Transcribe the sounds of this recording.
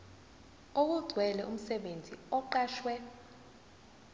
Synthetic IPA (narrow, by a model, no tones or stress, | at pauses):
ok̬uɡ͡ǀʱwɛlɛum̩sɛɓend͡zʱḭɔǃaːʃwɛ